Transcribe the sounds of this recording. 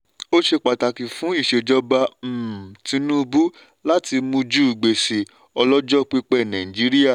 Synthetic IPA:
o˦ʃe˧k͡pa˨ta˨ki˨fũ˨˦i˦˨ʃe˧d͡ʒɔ˧ba˧m̩˨tĩ˧˦nũ˦˧bu˦ | la˦ti˧mũ˧d͡ʒu˦˨ɡ͡be˨se˨ | ɔ˧lɔ˦d͡ʒɔ˦˨k͡pi˦k͡pɛ˦˨nã˨ĩ˨d͡ʒi˨˦ɾi˦ja˦˨

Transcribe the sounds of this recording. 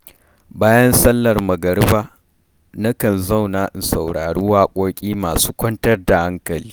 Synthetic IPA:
baː˦jɐ˦nsɐ˦lːɐ˨rmɐ˨ɡɐ˨ɽbaː˦ | nɐ˦kɐ˨nzɐ˦˨wnaː˨ʔɪ˨nsɐ˨wɽaː˨ɽu˦waː˦kʷʼoː˦kʲʼiː˦maː˨suː˦kʷɐ˦ntɐ˦rda˨ha˦ŋkɐ˨liː˦

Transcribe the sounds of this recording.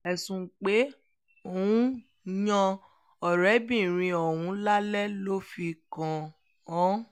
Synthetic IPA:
ɛ˨sũ˨k͡pe˨˦ | o˨wũ˨˦ | jã˧ | ɔ˨ɾɛ˨˦bĩ˦˨ɾ̃ĩ˧ɔ˨wũ˨˦la˦lɛ˦lo˦fi˧kã˧ | ɔ̃˨˦

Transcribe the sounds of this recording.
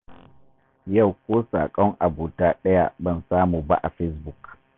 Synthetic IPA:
ja˦˨wkʷoː˦sa̰ː˨kʼɔ˦ŋʔa˨buː˨taː˦ɗɐ˦ja̰˦bɐ˦˨nsaː˦muː˨ba̰˦ʔa˨ɸɛ˦sbu˨k

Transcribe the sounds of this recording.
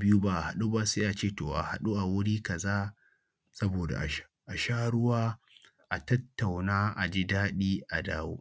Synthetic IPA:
bɪ˦ju˦ba˦ʔa˨ha˨ɗu˦ba˦seː˦ʔa˨t͡ʃeː˦toː˨ʔa̰˨ha˨ɗu˦ʔa˨wʊ˦ɽiː˦kɐ˨zaː˦ | sɐ˦boː˨da̰˨ʔʃ | ʔa˨ʃaː˦ɽʊ˦waː˦ | ʔa˨tɐ˦tːa˨wnaː˦ʔa˨d͡ʒi˦daː˦ɗiː˦ʔa˨daː˦wo̰ː˦

